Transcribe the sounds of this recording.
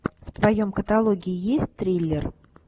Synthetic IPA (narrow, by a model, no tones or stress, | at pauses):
ft̪vɐjo̞mkət̪ɐlˠo̞ɡʲɪɪjesʲt̚ʲt̪ɾʲilʲːɪr